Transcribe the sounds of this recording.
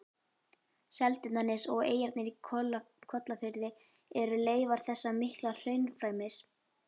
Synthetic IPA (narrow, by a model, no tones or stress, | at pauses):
sɛlt̪ɪt̪nanːɪsɔɣeːjɛɾt̪nɪɾi | kʰɔt̪lafɪɾðɪ | ɛɾʏleːjvaɾ̥θɛsːamɪhklal̥œːɥnfɾaːjmɪs